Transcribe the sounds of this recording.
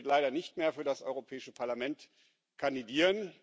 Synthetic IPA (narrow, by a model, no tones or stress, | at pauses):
tlaɪɾɐnɪçtmeːɐfyːɐdasʔɔʏʁopʰɛːɪʃəpʰaɐlamɛnt | kʰandidiːʁən